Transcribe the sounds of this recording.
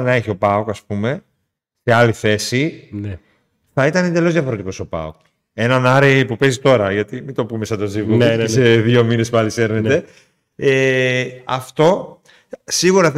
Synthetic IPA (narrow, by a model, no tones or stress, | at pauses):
nɐeçio̞pɐokɐspume̞ | se̞ɐliθe̞sine | θɐit̪ɐne̞d̪e̞lozðjɐfoɾe̞t̪iko̞so̞pɐ̰ok | e̞nɐnɐɾipupe̞zit̪o̞ɾɐʝɐt̪imind̪opume̞sɐt̪ozivuesseðio̞mine̞spɐlise̞ɾnet̪e̞ | e | ɐft̪o̞ | siɣuɾɐ